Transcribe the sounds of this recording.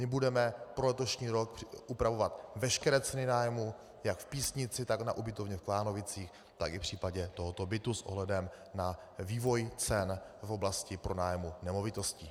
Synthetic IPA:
mɪbudɛmɛpɾolɛt̪o̞ʃɲiːɾo̞kʔupɾavo̞vat̪vɛʃkɛɾɛːt͡sɛnɪnaːjmu | jakfpiːsɲɪt͡sɪt̪aknaʔubɪt̪o̞vɲɛfklaːno̞vɪt͡siːx | t̪akɪfpr̝̥iːpaɟɛt̪oɦot̪o̞bɪt̪usʔo̰ɦlɛdɛm | naviːvo̞jt͡sɛnvo̞blascɪpɾo̞naːjmunɛmo̞vɪt̪o̞scɪ

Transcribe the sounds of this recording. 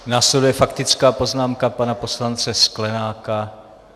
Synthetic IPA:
naːslɛdujɛfakt̪ɪt͡skaːpo̞znaːmkapanapo̞slant͡sɛsklɛnaːka

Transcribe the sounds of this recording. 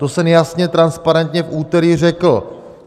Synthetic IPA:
t̪o̞sɛmjasɲɛt̪ɾanspaɾɛnt̪ɲɛfʔuːt̪ɛɾir̝ɛkl̩

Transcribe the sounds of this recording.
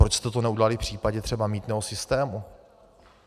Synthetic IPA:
ɾot͡ʃst̪ɛt̪onɛuɟɛlalɪfpr̝̥iːpaɟɛt̪r̝̥ɛbamiːt̪nɛːɦosɪst̪ɛːmu

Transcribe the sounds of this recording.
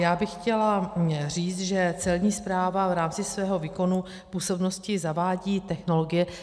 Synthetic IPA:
jaːbɪxcɛlar̝iːt͡st̪ʒɛt͡sɛlɲiːspɾaːvavɾaːmt͡sɪsvɛːɦo̞viːko̞nu | puːso̞bno̞scɪzavaːɟiːt̪ɛxno̞loɡɪjɛ

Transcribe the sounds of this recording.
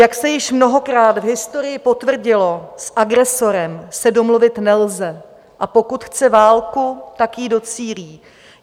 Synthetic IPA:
jaksɛjɪʃmno̞ɦo̞kɾaːt̪vɦɪst̪o̞ɾɪjɪpo̞t̪vr̩ɟɪlo̞sʔaɡɾɛso̞ɾɛmsɛdo̞mluvɪt̪nɛlzɛ | ʔapo̞kut̪xt͡sɛvaːlkut̪akjido̞t͡siːɾiː

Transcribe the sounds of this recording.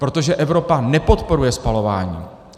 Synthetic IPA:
pɾo̞t̪o̞ʒɛʔɛvɾo̞panɛpo̞t̪po̞ɾujɛspalo̞va̰ːɲḭː

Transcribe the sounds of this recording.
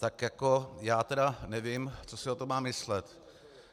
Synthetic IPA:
t̪akjako̞jaːt̪ɛdanɛvɪmt͡sosɪot̪omaːmɪslɛt̪

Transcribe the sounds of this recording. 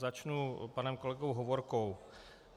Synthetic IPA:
zat͡ʃnupanɛmko̞lɛɡowɦovoɾkow

